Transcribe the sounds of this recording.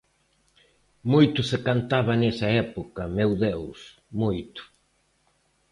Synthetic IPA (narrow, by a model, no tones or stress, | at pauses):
mojt̪ʊsekant̪aβɐnesɐɛpokɐmewðews | mojt̪ʊ̥